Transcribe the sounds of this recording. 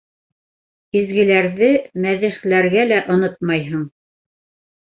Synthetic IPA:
izɡɘ̆læɾðɘmæðɘ̆χlæɾɡælæʔŏnɤt̪̚mɑjɦɤɴ

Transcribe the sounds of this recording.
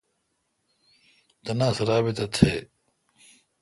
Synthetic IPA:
t̪ɐnãːsɐɾaːbit̪ɐt̪ʰe

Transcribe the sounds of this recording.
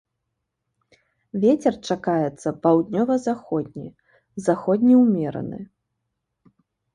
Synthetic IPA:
vʲet͡sʲɛrt͡ʂakajɛt̪sːɐpawd̪ʲnʲɔvɐzaxɔd̪̚ʲnʲḭ | zaxɔd̪ʲnʲiwmʲɛɾɐ̰nɨ̰

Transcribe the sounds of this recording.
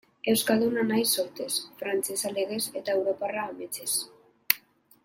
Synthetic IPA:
e̞wskald̪unanajsoɾt̪e̞sfɾant͡sesaleɣeset̪aewɾo̞paraːmet͡ses

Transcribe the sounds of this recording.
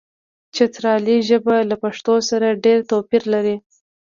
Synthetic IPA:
t͡ʃet̪ɾɑliʒəbalapaʂt̪osaɾaɖeɾt̪apiɾlaɾi

